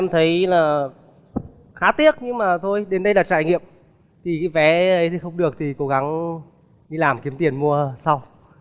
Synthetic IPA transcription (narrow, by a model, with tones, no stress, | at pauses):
a˧mt̪ʰə˨˦jlaː˨˩ | xaː˨˦t̪i˦˥ək̚ɲɨ˧ŋmaː˨˩t̪ʰo˧jɗe˨˦nɗə˧jlaː˨˩t͡ɕa̰ː˧˨jŋḭ˧˨əm | t̪ʰi˨˩ka˨˦vɛ˨˦ʔə˨˦jt̪ʰi˨˩xə˧wŋ͡mɗɨ˨˩ək̚t̪ʰi˨˩ko˨˦ɣa˨˦ŋ | ɗi˧laː˨˩mki˨˦əmt̪i˨˩ənmu˧əsa˧w